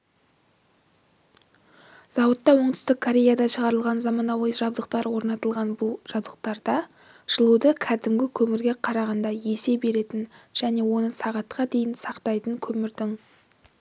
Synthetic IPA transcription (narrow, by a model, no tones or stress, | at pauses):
z̥ɑwət̪ːɑwo̞ɴd̪ʏ̥st̪ɪkʰːoɾʲe̞jad̪ɑʃəʁɑɾəlˠʁɑnzɑmɑnɑwɑjʒɑb̚d̪əq̚t̪ɑɾwo̞ɾnɑt̪əlˠʁɑnbʊlˠʒ̥ɑbd̪əq̚t̪ɑɾd̪ɑ | ʒ̥əlˠud̪əkʲʰæd̪ɪmɡʲɪkʲʰɵmɪɾɡʲe̞qʰɑɾɑʁɑnd̪ɑje̞se̞be̞ɾe̞t̪ɪnʒ̥æne̞wo̞nəsɑʁɑt̪qʰɑd̪e̞jɪnsɑqt̪ɑjt̪əŋkʲʰɵmɪɾd̪ɪŋ